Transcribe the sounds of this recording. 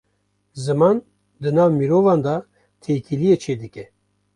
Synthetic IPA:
zɨmɑːn | d̪ɨnɑːvmiɾoːvɑːnd̪ɑ | t̪ʰeːkʰilijeːt͡ʃʰeːd̪ɨkʲɛ

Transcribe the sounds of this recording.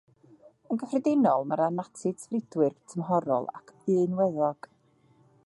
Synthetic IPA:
ənɡəfrɪdɪnɔlˠmaɾanatʰɨdsvrɪdwɨrtʰəmɦɔɾɔ̰lˠa̰kʰɨːnwɛðɔɡ̥

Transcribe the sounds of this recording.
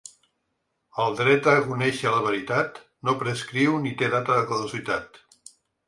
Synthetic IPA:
əlˠd̪ɾɛt̪əkunɛʃələβ̞əɾit̪at̪ | nopɾəskɾiwnit̪eðat̪əðəkuðuzit̪at̪

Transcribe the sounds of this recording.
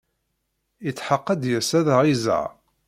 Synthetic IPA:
jət͡sːħəqːəd̪jəsæðəʁizə̰ʕ

